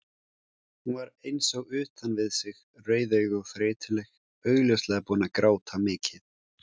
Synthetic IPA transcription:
hunvaɾejnsɔɣʏːht̪anvɪðsɪɣ | rœːɥðœɥɣʏfɾɪːt̪ʰɪlɛx | œɥɣljœwslɛɣapuːnakɾaːwt̪ʰamɪːcʰɪð

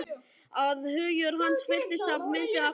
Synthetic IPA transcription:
aðhʏːjʏɾɦansfɪl̥t̪ɪst̪avmɪnt̪ɪa

